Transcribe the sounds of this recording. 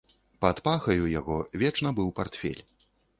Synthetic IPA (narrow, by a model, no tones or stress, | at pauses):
pat̪paxɐjujaɣɔvʲɛt͡ʂnɐbɨwpart̪fʲɛ̰lʲ